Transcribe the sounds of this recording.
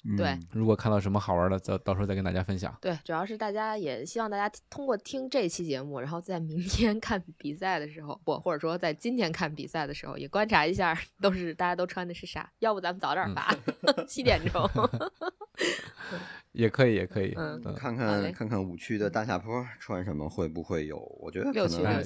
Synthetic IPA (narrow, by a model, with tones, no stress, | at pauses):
t̪we˥˩ɪɻu˧˥kwɔ˨˩kʰa˥˧nt̪ɑ˥˩ʊʂə˧˥nmə˧xɑ˨˩ə˞˧˥nə˧t͡ɕo˥˧t̪ɑ˥˩ʂ̩˧˥˧knt̪a˥˧˩ja˥˧fə˥nɕ̬jɑ̰˨˩˦t̪we˥˩ɪʈ͡ʂu˨˩jɑ˥˧ʊʂɻ̩˥˧t̪a˥˩t͡ɕja˥jɛ˨˩ɕi˥ɑ˥˧ŋt̪a˥˩t͡ɕja˥t̪ʰʊ˥ŋkwɔ˥˧t̪ʰi˥ŋʈ͡ʂɤ˥˧i˧˩t͡ɕʰi˧˥t͡ɕjɛ˧˥mu˥˩ɻa˧˥nxo˥˧ʊt͡sa˥˩ɪmi˧˥ŋt̪ʰjɛ˥nkʰa˥˩npi˨˩sa˥˩ɪd̪ə˩ʂɻ̩˧˥xo˧ʊxwɔ̰˧˩xwɔ˥˩ʈ͡ʂə˨˩ʂwɔ˥t͡sa˥˩ɪt͡ɕi˥nt̪ʰjɛ˥nkʰa˥˩npḭ˨˩sa˥˩ɪd̪ə˩ʂɻ̩˧˥xo̰˧ʊjɛ˨˩kwa˥nʈ͡ʂʰa˧˥i˧˥ɕja˥˩t̪o˥ʊʂɻ̩˥˩t̪a˥˩t͡ɕja˥t̪o˥ʊʈ͡ʂʰwa˥nd̪ə˧ʂɻ̩˥˩ʂa̰˨˩˦jɑ˥˧ʊu˥˩t͡sa˧˥mə˨nt͡sɑ˨˩ʊt̪jə˞˥˩fa̰˧˥t͡ɕʰi˥t̪jɛ˨˩nʈ͡ʂʊ˥ŋŋ | n̩˥˩jɛ˨˩kʰɤ˧˥i˨˩˥jɛ̰˨˩kʰɤ˧˥ḭ˨˩˦n̩˥˩˥kʰa˥˧nkʰa˥˧n˥kʰa˥˧nkʰa˥˩nu˨˩t͡ɕʰy˥˩d̪ə˨t̪a˥ɕja̰˥˩pʰɔ˥ʈ͡ʂʰwa˥nʂə˧˥nmə̰˧xwe˥˧ɪpu˧˥xwe˥˩ɪjo̰˨˧˩ʊwɔ̰˨˩t͡ɕɥɛ˧˥d̪ə˧˥lo˥˩nt͡ɕʰy˥o˥˧˩